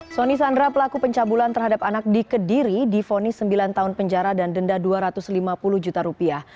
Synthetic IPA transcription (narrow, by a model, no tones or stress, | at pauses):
sonisandɾapəlakupəɲt͡ʃabulant̪ərɦadapanak̚dikədiɾidifonisəmbilant̪aɦʊnpəɲd͡ʒaɾadandəndaduaɾat̪ʊslimapulʊhd͡ʒut̪aɾupiah